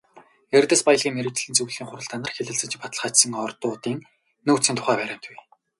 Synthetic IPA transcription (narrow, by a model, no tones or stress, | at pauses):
erʲt̪ə̆spajə̆ɮʁʲiːŋmeɾɘ̆t͡ɕ̆ɮɘ̆nt͡suwɮiːŋχʊɾə̆ɮt̪ʰanə̆rxeɮɘ̆ɮt͡sɘ̆t͡ɕ̆pat̪ə̆ɮχaːt͡ɕsə̆ŋɔrt̪ʊːt̪iːŋ | nɵːktsiːnt̪ʰʊ̥χæːpæːɾʲæːm̥t̪ʰuj